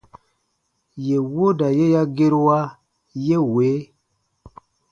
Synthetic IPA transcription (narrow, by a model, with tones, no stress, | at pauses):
je˨wo˦da˨je˦ja˦ɡe˦ɾwa˦ | je˦weː˨˦